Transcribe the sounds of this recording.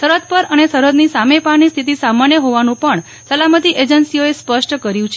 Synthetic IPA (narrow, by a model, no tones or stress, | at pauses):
səɾət̪̚pəɾənesəɾəd̪nisamepaɳnist̪ʰit̪̬isamaɳjəɦoʋanũpəɳ | səlamət̪iʔed͡ʒənsioespəʂʈkəɾjũt͡ʃʰe